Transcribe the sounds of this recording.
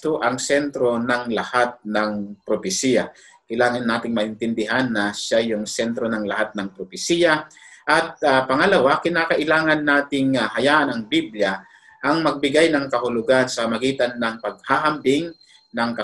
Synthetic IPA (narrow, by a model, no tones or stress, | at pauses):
t̪oʔɐŋsɛnt̪ɾo̞nɐŋlɐhat̪̚nɐŋpɾopɪsiːja | kɐɪlaːŋɐnːaːt̪ɪŋmɐʔhɪnt̪ɪnd̪ɪɦanːɐʃajʊŋsɛnt̪ɾo̞nɐŋlɐhat̪̚nɐŋpɾopɪsiːjaʔɐt̪̚apɐŋɐlɐwakɪnaːkɐʔɪlaːŋɐnːaːt̪ɪŋahɐjaːʔɐnɐŋbiblja | ʔɐŋmɐɡ̚bɪɡajnɐŋkɐhʊlʊɡansɐmɐɡiːt̪anːɐŋpɐɡ̚haːɦɐmbɪŋ | nɐŋkɐ